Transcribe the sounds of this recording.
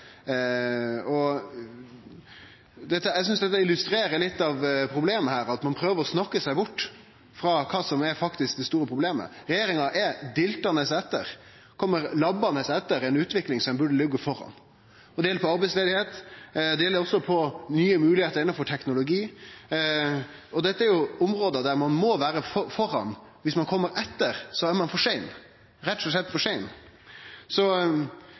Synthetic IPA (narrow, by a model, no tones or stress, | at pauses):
ɔ | d̪ɛt̪ːəɛsʏnsd̪ɛt̪ːəɪlʉst̪ɾeːɾəlɪt̪ːɑʋpʰɾʊbleːməhæːɾɑt̪mɑnpʰɾøːʋəɾɔsnɑkːəsæɪbʊʈː | fɾɑkʰɑːsɔmɛɾfɑkt̪ɪsk̚d̪ɛst̪uːɾəpʰɾʊbleːmə̰ɾɛjeːɾɪŋɑʔɛd̪ɪlt̪ɑnəsɛt̪ːəɾ | kʰɔmːəɾlɑbːɑnəsɛt̪ːəɾɛɪnʉːt̪ʋɪklɪŋsɔmɛnbʉɖəlʏɡːəfɔɾɑ̰n | ɔd̪ɛjɛlːəpʰɔɑɾbɛɪsleːd̪ɪheːt̪d̪ɛjɛlːəɾɔsːɔpʰɔnyːəmʉːlɪheːt̪əɾɪnːɑnfɔʈʰɛknʊlʊɡiː | ɔd̪ɛt̪ːəæɾjʊʊmɾoːd̪əd̪æɾmɑnmɔʋæːɾəfɔfɔɾɑ̰n | ʋɪsmɑnkʰɔmːəɾɛt̪ːəɾsɔæɾmɑnfɔʂæɪn | ɾɛt̪ːsɔsɛt̪ːfɔʂæɪn | sɔ